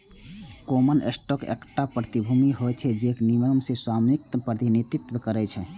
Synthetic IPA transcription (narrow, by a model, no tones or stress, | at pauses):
komənḛsʈokḛkʈapɾət̪ibʱumiɦojt͡ʃʰɛd͡ʒekniməmseswamik̚t̪əpɾət̪init̪ɾit̪ʋəkəɾɛt͡ʃʰɛ